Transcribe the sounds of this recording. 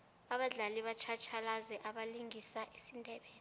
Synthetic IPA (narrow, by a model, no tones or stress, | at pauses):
aɓaɮaliɓat͡ʃʰat͡ʃʰalazɛʔaɓaliŋʱisaʔesindʱɛɓɛːn